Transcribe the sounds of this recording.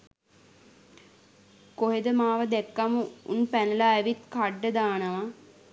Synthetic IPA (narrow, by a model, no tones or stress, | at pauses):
koɦed̪əmaːʋəd̪ɛkːamuṵnpænəlaːʋit̪kaɖːəd̪aːnəʋa